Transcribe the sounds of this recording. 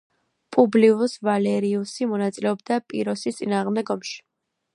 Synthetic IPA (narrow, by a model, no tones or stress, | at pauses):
pʼubliusvalɛɾiusimɔnat̪sʼilɛɔbd̪apʼḭɾɔsit̪sʼinaːʁmd̪ɛɡɔmʃi̥